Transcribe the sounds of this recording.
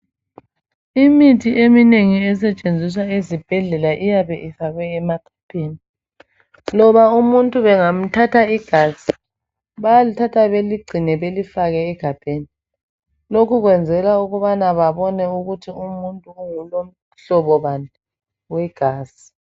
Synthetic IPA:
imitʰiʔemineŋiɛsɛt͡ʃʼend͡zʱis̬waezib̥ʱɛɮɛlaʔijaβɛʔifaɣwɛːmaɡ̥ʱapʰʼeːni | lɔβaumuntʼuβɛŋam̩tʰatʰaiɡ̥ʱaːsi̥ | βajlitʰatʰaβeliɡ͡ǀʱinɛβelifaɣɛːɡ̥ʱab̥ʱeni | lokʰuɣwɛnd͡zʱɛlauɣuβanaβaβɔnɛuɣutʰiumuntʼuːŋulom̩ | ɬɔβɔβanʱa | wɛɡ̥ʱaːsi̥

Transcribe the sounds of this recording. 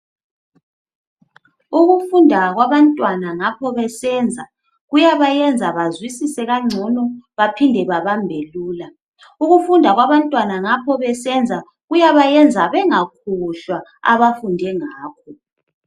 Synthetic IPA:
uɣufundʱaɣwaβantʼwanaŋapʰɔβɛsɛːnd͡zʱa | ɣujaβajɛnd͡zʱaβazwisisɛɣaŋ͡ǀʱɔnɔβapʰindʱɛβaβambʱeluːla | uɣufundʱaɣwaβantʼwanaŋapʰɔβɛsɛnd͡zʱa | ɣujaβajɛnd͡zʱaβɛŋakʰuɬwaa̰βafundʱɛŋaːkʰɔ

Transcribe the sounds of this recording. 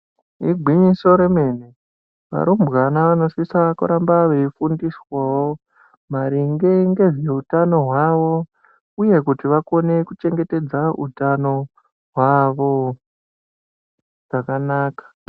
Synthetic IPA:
iɡʱwiɲiso̞ɾeme̞ːne | ʋa̰ɾumbɣanaʋano̞sisaakṵɾambaʋeifundiswawo | maɾiŋɡeŋɡe̞ʐe̞utano̞ɦwaʋo̞ | uje̞kutiʋako̞ne̞kut͡ʃe̞ŋɡe̞te̞d͡zaṵtano̞ | ɦwaʋo̞ | ʐ̥akanaːkḁ

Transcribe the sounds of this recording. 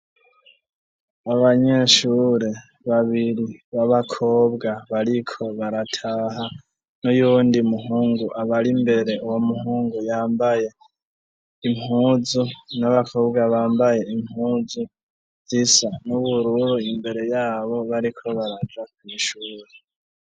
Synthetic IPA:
aβaɲe̞ʃuːɾe̞ | βaβiɾiβaβakʰo̞ːbɡaβaɾikʰo̞βaɾatʰaɦa | nujuːndimuɦuːŋɡuʔaβaɾimbe̞ɾe̞uwomuhuːŋɡujaːmbaje̞ | imhuːzunaβakʰo̞ːbɡaβaːmbaje̞imhuzu | zisanuβuɾuɾuimbe̞ɾe̞jaːβo̞βaɾikʰo̞βaɾad͡ʒak̚wiːʃuːɾe̞

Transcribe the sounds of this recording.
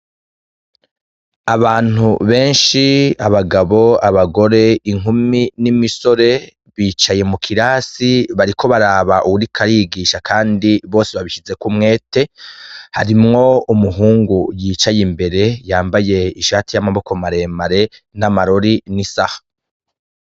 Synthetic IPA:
aβaːn̥uβe̞ːnʃiaβaɡaβo̞aβaɡo̞ɾe̞iŋuminimiso̞ɾe̞ | βiːt͡ʃaje̞mukʰiɾaːsiβaɾikʰo̞βaɾaːβaʔuwuɾikʰaɾiɡiːʃakʰaːndiβo̞ːseβaβiʃize̞kumŋe̞ːte̞ha̰ɾimŋo̞umuɦuːŋɡujiːt͡ʃajimbe̞ɾe̞jaːmbaje̞iʃaːtijamaβo̞ko̞maɾe̞ːmaɾe̞namaɾoɾinisahḁ

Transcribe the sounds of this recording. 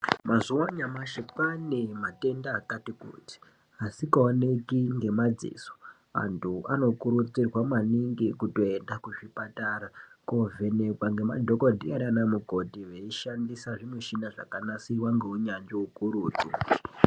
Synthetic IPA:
mazuwaɲamaʃepanemate̞ndaːkatikṵːti̥ | asikaonekiŋɡe̞mad͡zḭso̥ | a̰ntʰuʔano̞kuɾut͡sirwamaniŋɡikuto̞e̞ndakuʐipataɾakovʱe̞nekwaŋɡe̞ma̰dʱokodʱiaɾianamuko̞dʱiʋeiʃandisaʐimweʃinaʐa̰kanasiwaŋɡeuɲand͡ʒoukuɾuːd͡zo

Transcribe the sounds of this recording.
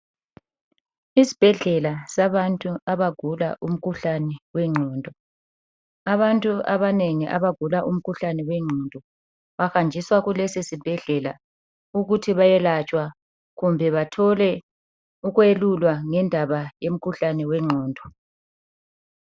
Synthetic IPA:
isi̥b̥ʱɛɮɛlasaβantʼuaβaɡ̥ʱula̰ʔum̩kʰuɬanɛwɛŋ͡ǀʱɔːndʱɔ | aβantʼuaβaneŋiʔa̰βaɡ̥ʱulaʔum̩kʰuɬanɛwɛŋ͡ǀʱɔndʱɔ | βaxand͡ʒʱiswaɣulɛsesib̥ʱɛɮɛla̰ | uɣutʰiβajɛlat͡ʃʼwa | ɣumbʱɛβatʰɔlɛ | uɣwelulwaŋɛndʱaβajem̩kʰuɬanɛwɛŋ͡ǀʱɔːndʱɔ

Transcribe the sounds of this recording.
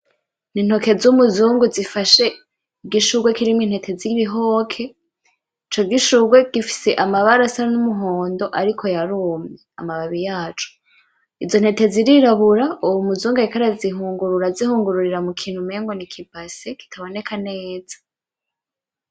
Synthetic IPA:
nin̥ho̞ke̞zumuzuːŋɡuzifaʃe̞ | iɡiʃuɡwekiɾimwinhe̞tʰe̞ziβiɦo̞ːkʰe̞ | it͡ʃo̞ɡɡiʃuɡwe̞ɡ̥ifi̥se̞ʔamaβaɾasanumuɦoːndo̞ʔaɾikʰo̞jaɾuːmɲeamaβaβijaːt͡ʃo̥ | izo̞n̥he̞te̞ziɾiɾaβuɾauwumuzuːŋɡaikaɾaziɦuːŋɡuɾuɾazihuːŋɡuɾuɾiɾamukʰiːn̥humeːŋɡo̞nikʰibaseki̥tʰaβo̞ne̞kʰane̞ːz̥ḁ

